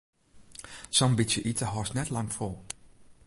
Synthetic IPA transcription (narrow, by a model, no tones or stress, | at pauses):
sɔmbisjəʔitʰəɦɔsnɛtlɑŋfolˠ